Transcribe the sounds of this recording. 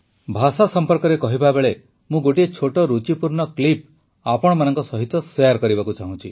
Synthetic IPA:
bʱasasɔmpɔɾkɔɾekɔɦibabeɭe | mũɡoʈiet͡ʃʰoʈɔɾut͡ʃipuɾɳɔklip | apɔɽ̃ɔmanɔŋkɔsɔɦit̪ɔsejaɾkɔɾibakut͡ʃaɦũt͡ʃʰi

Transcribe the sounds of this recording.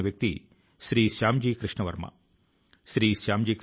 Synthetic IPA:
ɐʋjɐk̚t̪ḭ | ʃɾiːʃaːmd͡ʒiːkɾɨʂɳɐʋɐɾmɐ̰ | ʃɾiːʃaːmd͡ʒiːk

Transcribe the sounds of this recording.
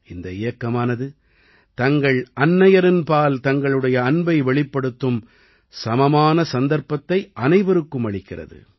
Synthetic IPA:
ɪnd̪ɐɪjɐkːɐmaːnɐðɯ | t̪ɐŋɡɐɭʔɐnːɐjɐɾɪnpaːlt̪ɐŋɡɐɭɯɽɐjɐːnbɐɪʋɛɭɪpːɐɽɯt̪ːɯm | sɐmɐmaːnɐsɐnd̪ɐɾpːɐt̪ːɐɪʔɐnɐɪʋɐɾɯkːɯmɐɭɪkːɪrɐ̰ðɯ̰

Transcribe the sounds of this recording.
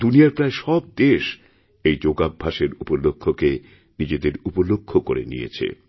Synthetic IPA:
d̪unijaɾpɾaeʃɔb̚d̪eʃ | ejd͡ʑoɡabʱaʃeɾupolokʰːoke | nid͡ʑed̪eɾupolokʰːokoɾḛnḭjḛt͡ɕʰḛ

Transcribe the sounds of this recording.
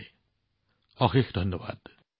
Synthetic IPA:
ɔxexd̪ʱʌnːɔba̰ːd̪̥

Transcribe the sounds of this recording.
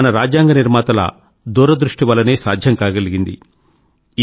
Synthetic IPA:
ɐnɐɾaːd͡ʒjaːŋɡɐniɾmaːt̪ɐlɐ̰ | d̪uːɾɐd̪ɾuʂʈiʋɐlːɐneːsaːd̪ʱjɐmkaːɡɐliɡind̪ḭ

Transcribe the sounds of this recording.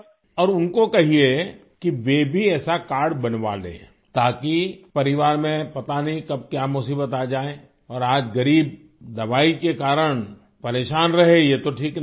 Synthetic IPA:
ɔːɾʊnkokɐɦie | kiʋebʱiɛːsakaːɾɽbɐnʋa̰lḛ̃ː | t̪aːkipɐɾɪʋaːɾmẽpɐt̪anĩkɐb̚kjaːmʊsiːbət̪aːd͡ʒaːẽː | ɔːɾaːd͡ʒɣɐɾiːb̚ | d̪ɐʋaːikekaːɾəɽ̃ | pɐɾeːʃaːnɾɐɦejet̪oʈʰiːkn

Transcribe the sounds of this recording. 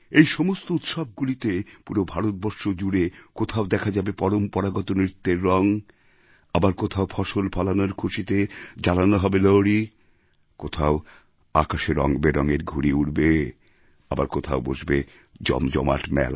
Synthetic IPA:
ejʃɔmost̪out̪ʃɔb̚ɡulit̪epuɾobʱaɾot̪̚bɔɾʃod͡ʑuɾekot̪ʰaod̪ɛkʰad͡ʑabepɔɾompɔɾaɡɔt̪onɾit̪ːeɾːɔŋ | abaɾkot̪ʰaopʰɔʃolpʰɔlanoɾkʰuʃit̪ed͡ʑalanoɦɔbelɔwɾi | kot̪ʰao | akaʃeɾɔ̰ŋbeɾɔŋeɾɡʱuɾiuɽbe | abaɾkot̪ʰaobo̰ʃbe | d͡ʑɔ̰md͡ʑɔ̰ma̰ʈmɛ̰l

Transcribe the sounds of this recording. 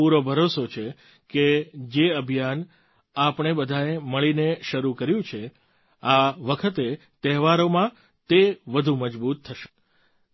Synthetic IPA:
uɾobʱəɾosot͡ʃʰe | ked͡ʒeəbʱijan | apəɳ̃ebəd̪ʱaeməɭineʃəɾukəɾjũt͡ʃʰe | aʋəkʰət̪e | t̪ɛɦʋaɾomã | t̪eʋəd̪ʱũməd͡ʒbut̪ʰːəʃe̥

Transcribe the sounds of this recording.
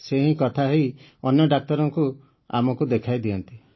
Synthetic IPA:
seɦĩkɔt̪ʰaɦej | ɔnjɔɖak̚t̪ɔɾɔŋku | a̰mɔkud̪ekʰajd̪iɔnt̪i

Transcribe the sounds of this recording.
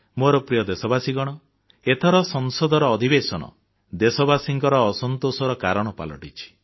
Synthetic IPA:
moɾɔpɾijɔd̪esɔbasiɡɔɽ̃ɔ | et̪ʰɔɾɔsɔŋsɔd̪ɔɾɔːd̪ʱibesɔnɔ̰ | d̪esɔbasiŋkɔɾɔːsɔnt̪osɔɾɔkaɾɔɽ̃ɔpa̰lɔ̰ʈit͡ʃʰi̥

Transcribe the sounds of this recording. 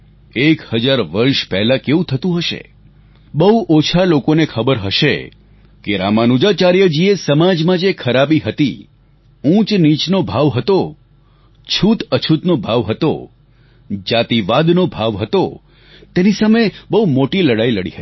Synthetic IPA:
ekhəd͡ʒaɾʋəɾʃpɛɦlakeʋũt̪ʰət̪ũɦəʃḛ | bəɦuʔot͡ʃʰalokonekʰəbəɾɦəʃḛ | keɾamanud͡ʒat͡ʃaɾjəd͡ʒiesəmad͡ʒmãd͡ʒekʰəɾabiɦət̪ḭ | ũt͡ʃnit͡ʃnobʱaʋɦət̪o | t͡ʃʰut̪ət͡ʃʰut̪nobʱaʋɦət̪o̰ | d͡ʒat̪iʋad̪nobʱaʋɦət̪o | t̪enisamebəɦumoʈiləɽailəɽḭɦət̪i

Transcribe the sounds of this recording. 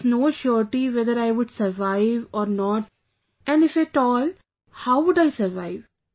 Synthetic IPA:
noːʃɔːɾʈiʋɛd̪əɾaɪʋʊɖsəɾʋaɪʋɔːɾnɔːʈ | ɛ̃ɳnɖɪfɛʈɔːl | haʊʋʊɖaɪsəɾʋaɪʋ

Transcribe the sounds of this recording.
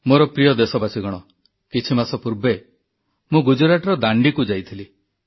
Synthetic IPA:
moɾɔpɾijɔd̪esɔbasiɡɔɽ̃ɔ | kit͡ʃʰimasɔpuɾbe | mũɡud͡ʒɔɾaʈɔɾɔd̪aɳɖikud͡ʒajt̪ʰili

